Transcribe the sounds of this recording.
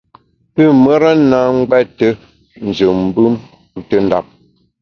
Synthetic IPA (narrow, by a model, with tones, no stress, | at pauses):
tə˦˨mə˦ɾa˦na˨˦ŋ˦ɡ͡bɛ˦tə˦ | n̩˨zə˨m̩˦bɨ˦m̩˦ | tə˦n˦da̰˨p̚